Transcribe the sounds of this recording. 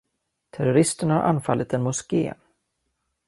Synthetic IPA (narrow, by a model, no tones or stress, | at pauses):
t̪ʰæɾʊɾɪst̪əɳhaɾʔa̰nfalːɪt̪ɛnmʊskḛː